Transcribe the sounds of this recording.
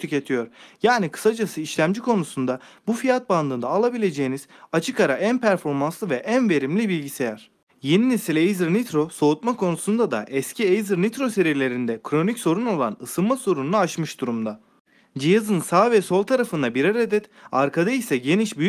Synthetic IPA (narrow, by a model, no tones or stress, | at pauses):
t̪ʰyce̞t̪ʰijo̞ɾjaːnikʰɯ̥sad͡ʒasɯiʃlʲæmd͡ʒikʰo̞nusund̪abufijat̪̚band̪ɯːnd̪aːlˠabilʲe̞d͡ʒe̞jiniz̥at͡ʃʰɯkaɾaʔænpʰæɾfo̞ɾmanslˠɯvɛʔænve̞ɾimlʲibilʲɟise̞jæɾ̥ | je̞ninesilʲeejzɯɾnit̪ɾo̞so̞ut̪makʰo̞nusund̪ad̪a̰ʔɛscʰiejzɯɾnit̪ɾo̞se̞ɾiɾlʲe̞ɾind̪ɛkʰɾo̞nicso̞ɾuno̞lˠa̰nɯsɯlˠmaso̞ɾununaat͡ʃmɯʃd̪uɾumd̪a | d͡ʒijazɯnsaːvɛso̞lˠt̪ʰaɾafɯnd̪abiɾaɾed̪ɛt̪aɾkʰad̪aisɛɟe̞niʃby